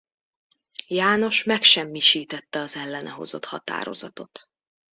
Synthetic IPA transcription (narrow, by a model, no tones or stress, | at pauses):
jaːno̞ʃmɛkʃɛmːiʃiːt̪ɛt̪ːɛɒzɛlːɛnʔɛɦo̞̰zo̞̰t̪hɒt̪a̰ːɾozɒt̪o̞t̪